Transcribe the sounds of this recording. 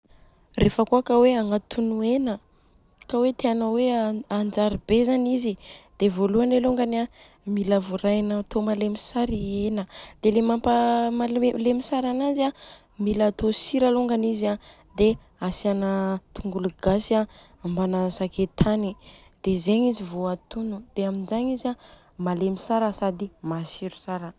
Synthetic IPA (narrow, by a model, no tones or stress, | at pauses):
refəkuakaweaŋat̪ʰunuenə | kawet̪eanaweand͡ʒaɾibezanizid̪̥evoluaneluŋɡana | milavuɾajnat̪omalemisaɾienəd̪̥elemampəmalelemisaɾanazia | milat̪osiɾaluŋɡanizia | d̪e | asianət̪ʰuŋɡuluɡasa | ambanasakʰet̪ʰani | d̪̥ezeɲizivoat̪unud̪̥eamind͡ʒaɲiza | malemisaɾəsad̪imasiɾu̥saɾə